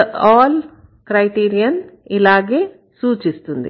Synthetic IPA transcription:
aːl | kɾɐjʈiːɾijɐnilaːɡeː | suːt͡ʃist̪und̪ḭ

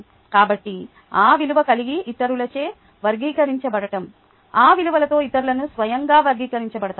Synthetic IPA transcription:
kaːbɐʈːi | aːʋiluʋɐkɐliɡiʔːt̪ːɐɾulɐt͡ʃeː | ʋɐɾɡiːkɐɾiɲt͡ʃɐbɐɽɐʈɐm | aːʋiluʋɐlɐt̪o̞ːit̪ːɐɾulɐnusʋɐjɐŋɡaːʋɐɾɡiːkɐɾiɲt͡ʃɐbɐɽɐt̪ː

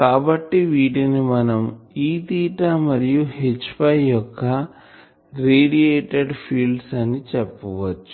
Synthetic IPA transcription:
kaːbɐʈːiʋiːʈinimɐnɐmiːt̪iːʈɐmɐɾijuhet͡ʃːpɐjjɔkːɐ | ɾeːɖieːʈeɖpʰiːlɖsɐnit͡ʃepːɐʋɐt͡ʃːu̥

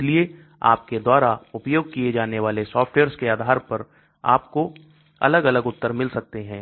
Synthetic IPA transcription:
ɪlie | a̰ːp̚ked̪waːɾaʊpjoːɡ̚kied͡ʒaːneʋaːlesɔːfʈweːɾskeaːd̪ʱaːɾpɐɾ | a̰ːp̚ko | ɐ̰ləɡɐləɡʊt̪ːəɾmɪlsɐk̚t̪eɦɛ̃ː

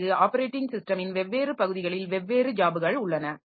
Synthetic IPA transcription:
ɣɯaːpɐɾeːʈːɪŋɡsɪsʈɐmɪnʋɛʋːeːɾɯpɐɣɯðɪɣɐɭɪlʋɛʋːeːɾɯd͡ʒaːbɯɣɐɭʊɭːɐnɐ

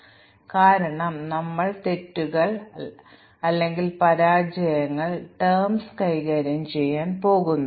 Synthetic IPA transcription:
kaːɾɐɳɐmnɐmːɐɭt̪e̞tːuɣɐɭ | ɐlːe̞ŋɡilpɐɾaːd͡ʑɐjɐŋːɐɭʈermskɐjɣɐːɾɐmt͡ɕe̞jːaːnpo̞ːɣunːu

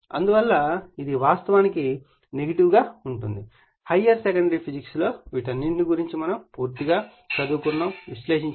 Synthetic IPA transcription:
ɐ̰nd̪uʋɐlːɐid̪iʋaːst̪ɐʋaːniki | neɡɐʈiʋɡaːuɳʈund̪i | hɐjɐɾsekɐɳɖɐɾipʰid͡ʒikslo̞ːʋiʈɐnːiɳʈniɡuɾiɲt͡ʃimɐnɐmpuːɾt̪iɡaː | t͡ʃɐd̪uːkunːɐmʋiʃle̞ːʃiɲ

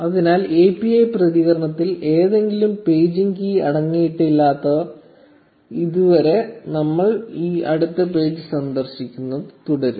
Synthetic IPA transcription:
ɐðinaːleːpiɐjprɐðiɣɐɾɐɳɐt̪ːile̞ːðe̞ŋɡilumpe̞ːd͡ʑiŋɡiːɐɽɐŋːijiʈːilːaːt̪ːɐ | iðuʋɐɾe̞nɐmːɐɭiːɐɽut̪ːɐp̬e̞ːd͡ʑɨsɐnd̪ɐrɕikʲːunːɐðɨt̪uɽɐɾu

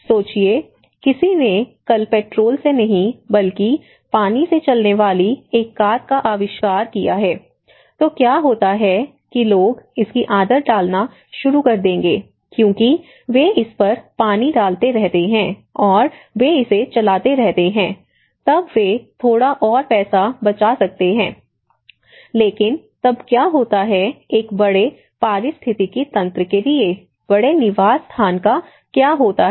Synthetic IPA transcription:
soːt͡ʃie | kɪsinekɐlpɛːʈɾoːlsenɐɦĩbɐlki | paːniset͡ʃɐlneʋaːlieːkːaːt̪̚kaʔaːʋɪʃkaːɾkijaɦɛː | t̪oːkjaːɦoːt̪aɦɛ | kiloːɡɪskiʔaːd̪əɾɖaːlna | ʃʊɾukɐɾd̪ẽːŋɡeː | kjõːki | ʋeɪspɐɾpaːniɖaːlt̪eɾɛɦt̪eɦɛ̃ːɔːɾʋeɪset͡ʃɐlaːt̪eɾɛɦt̪eɦɛ̃ː | t̪ɐbʋet̪ʰoːɽaʔɔːɾpɛːsabɐt͡ʃasɐk̚t̪eɦɛ̃ː | leːkɪn | t̪ɐbkjaːɦoːt̪aɦɛeːkbɐɽe | paːɾɪst̪ʰɪt̪ikit̪ɐ̃nt̪ɾəkelie | b̥ɐɽenɪʋaːzst̪ʰaːnka | kjaːɦoːt̪aɦ

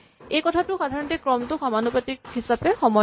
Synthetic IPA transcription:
ejkɔtʰatʊxadʱaɹɔntɛkɹɔmtʊxamanupatik̚hisapɛxɔmɔ

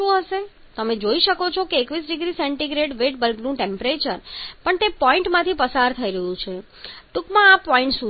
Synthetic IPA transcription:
ũɦəʃe | t̪əmed͡ʒoiʃəkot͡ʃʰokeːkʋis̬ɖiɡɾisɛɳʈiɡɾeʈʋeʈ̚bəlɡnũʈẽmpɾet͡ʃəɾpəɳt̪epɔiɳʈmãt̪ʰipəsaɾt̪ʰəiɾəɦũt͡ʃʰe | ʈukmãapɔĩɳʈsũ

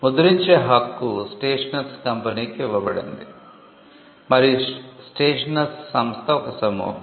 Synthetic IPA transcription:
mud̪uɾiɲt͡ʃeɦɐkːusʈeːʂɐnɐskɐmpɐnikeʋɐbɐɽḛnd̪i | mɐɾisʈeːʂɐnɐsːɐmst̪ʰɐɔkɐsɐmṵː

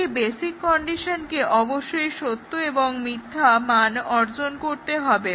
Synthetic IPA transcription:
ibesikːɔɳɖiʃonkeʔɔboʃːojʃot̪ːoeboŋmid̪ʱːamanɔɾd͡ʑonkoɾt̪eɦɔbe

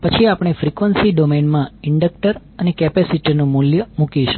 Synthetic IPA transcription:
pət͡ʃʰiapɳ̃efɾikʋənsiɖomenmãɪɳɖək̚ʈəɾ | ənekɛpɛsiʈinũmuljəmukiʃu̥

